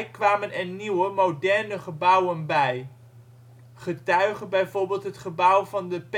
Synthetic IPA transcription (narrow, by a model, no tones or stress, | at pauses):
kʋaːmənɛniwəmowdɛɹnəχəbʌwənbɛj | χətœɥχənbɛjvoːɹbeːlˠtɦətχəbʌwvɑndəp